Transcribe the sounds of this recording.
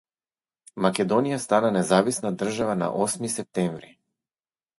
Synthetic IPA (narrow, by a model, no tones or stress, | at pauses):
makɛd̪ɔnijast̪ananɛzavisnad̪r̩ʒavana̰ʔɔsmisɛp̚t̪ɛɱvɾi